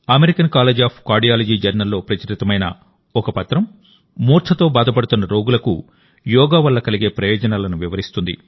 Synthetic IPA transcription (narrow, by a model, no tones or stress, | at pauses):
ɐmeɾikɐnkaːleːd͡ʒaːpʰkaːɾɖijaːlɐd͡ʒiːd͡ʒɐɾnɐlːo̞ːpɾɐt͡ʃɐɾit̪ɐmɐjnɐ̰ | ɔkɐpɐt̪ɾɐm | muːɾt̪ʰɐt̪o̞ːbaːd̪ʱɐpɐɽut̪unːɐɾo̞ːɡulɐkṵ | jɔːɡaːʋɐlːɐkɐliɡe̞ːpɾɐjɔːd͡ʒɐnaːlɐnuʋiʋɐɾist̪und̪ḭ